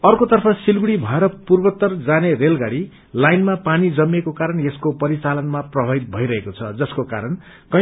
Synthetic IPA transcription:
ʌrkot̪ʌrpʰʌsilɡuɽibʱʌeɾʌpurbʌt̪ːʌrd͡zanerelɡaɽi | lajnmapanid͡zʌmːekokaɾʌnjeskopʌɾit͡salʌnmaprʌbʱʌit̪̚bʱʌiɾʌɦekot͡sʰʌ̰d͡zʌskoka̰ɾʌn | kʌ

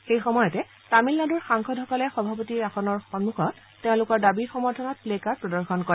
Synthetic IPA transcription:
xejxɔmɔjɔtɛ | tamilnaduɹxaŋxɔdɦɔkɔlɛxɔbʱapotiɹaxɔnɔɹxɔnmuxɔt | teʊ̃lʊkɔɹdabiɹxɔmɔɹtʰɔnɔt̚plekaɹpɹɔdɔɹxɔnkɔɹɛ

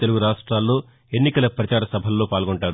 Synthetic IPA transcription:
t̪e̞luɡuɾaːʂʈɾaːlːo̞ː | e̞nːikɐlɐpɾɐt͡ʃaːɾɐsɐbʱɐlːo̞ːpaːlɡoɳʈaːɾu

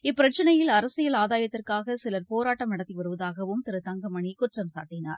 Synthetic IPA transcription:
ɪpːɪɾɐt͡ʃːɐnɐjɪlɐɾɐsɪjɐlaːðaːjɐt̪ːɪrkaːɣɐsɪlɐɾpoːɾaːʈːɐmnɐɽɐt̪ːiʋɐɾɯʋɐðaːɣɐʋɯmt̪ɪɾɯt̪ɐŋɡɐmɐɳikʊʈrɐmsa̰ːʈːɪna̰ːɾ

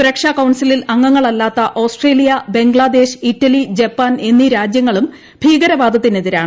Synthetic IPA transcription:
suɾɐkʂaːkɐwɳsililɐŋːɐŋːɐɭɐlːaːt̪ːɐʔoːsʈre̞ːlijɐbe̞ŋɡɭad̪e̞ːɕitːɐlid͡ʑepːaːne̞nːiɾaːd͡ʑjɐŋːɐɭum | bʱiːɡɐɾɐbaːd̪ʱɐt̪ːineðiɾa̰ːɳɨ

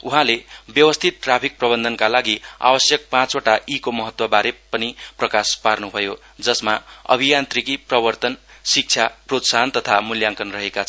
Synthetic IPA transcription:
uɦãlebjʌwʌst̪ʰit̪̚ʈrapʰik̚prʌbʌnd̪ʱʌnkalaɡia̰bʌsjʌk̚pãt͡soʈaʔikomʌɦʌt̪wʌbaɾepʌniprʌkasparnubʱʌjo | d͡zʌsmaʌ̰bʱijant̪rikiprʌbʌrt̪ʌnsik̚t͡sʰjaprot̪sant̪ʌt̪ʰamuljãŋkʌnrʌɦekat͡sʰʌ

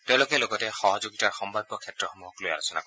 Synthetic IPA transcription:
tẽʊ̃lʊkɛloɡɔtɛxɔɦɔzoɡitaɹxɔmbʱaɡɔkʰɛtɹɔxomuɦɔkloja̰losɔna̰kɔɛ

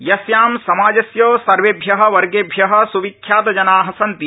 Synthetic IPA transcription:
jɐsjaːmsɐmaːd͡ʒɐsjoːsɐɾʋeːbʱjɐɦɐ̆ʋɐɾɡebʱjɐɦɐ̆suʋikʰːjaːt̪ɐd͡ʒɐnaːɦɐsɐnt̪i

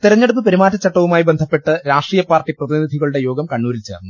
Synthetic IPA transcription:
t̪iɾɐɲːeɽupːɨpɐɾimaːtːɐt͡ɕːɐʈːɐʋumaːjibend̪ʱɐpːe̞ʈːɨɾaːʂʈriːjɐpːaːrʈːiprɐðinid̪ʱiɣɐɭuɽe̞jo̞ːɡɐmkɐɳːuːɾilt͡ɕeːrnːu

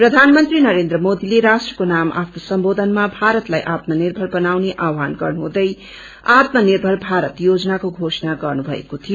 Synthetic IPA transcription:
prʌd̪ʱanmʌnt̪rinʌɾend̪ɾʌmod̪ileɾasʈrʌkonamʔa̰pʰnosʌmbod̪ʱʌnmabʱaɾʌt̪lajʔat̪̚mʌnirbʱʌlbʌnawneʔawɦanɡʌrnuɦũd̪ʌj | at̪mʌnirbʱʌlbʱaɾʌt̪jod͡zʌnakoɡʱosʌnaɡʌrnubʱʌḛkot̪ʰijo

